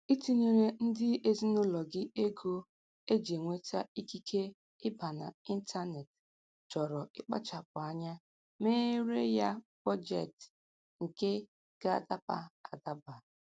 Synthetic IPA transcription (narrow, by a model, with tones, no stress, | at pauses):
i˦ti˦ni˦ɾe˦n̩˦dɪ˦ʔe˦zi˦nʊ˦lɔ˨ɡɪ˦e˦ɡo˦ | e˦d͡ʒe˨ŋʷe˦ta˦i˦ki˦kʰe˦ | ɪ˦ba˨na̰˨i˦n̩˦tʰa˦ne˨t | d͡ʒɔ˨ɾɔ˨ɪ˦k͡pa̰˦t͡ʃa˨p̚ʊ˨a˦ɲa˦ | me˦ɾe˦ja˦b̥ɔ˦d͡ʒḛ˨t | ŋ̩˨ke˦ | ɡ̥a˦˨ta˦pa̰˦a˨da˦ba˨